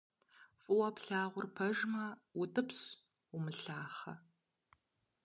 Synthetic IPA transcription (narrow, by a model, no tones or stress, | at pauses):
fʼɨwɐpɬaːʁʷʊrpʰɐʒmɐwʊtʼɨps | ʊmɨɬaːχɐ